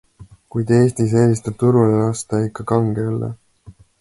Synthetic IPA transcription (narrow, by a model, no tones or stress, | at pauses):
kujd̪̥e̞ːst̪is̬eːlist̪ɑt̪uɾulelɑst̪ɑikːɑkɑŋɡeylːḛ